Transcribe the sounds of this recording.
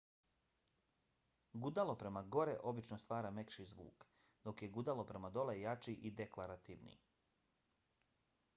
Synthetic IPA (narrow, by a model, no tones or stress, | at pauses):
ɡud̪alo̞pɾe̞maɡo̞ɾeʔo̞bit͡ʃnost̪ʋaːɾamekʃizʋṵːk | d̪o̞kje̞ɡud̪alˠo̞pɾe̞mad̪o̞lejat͡ʃiʔid̪eklaɾat̪iʋnḭ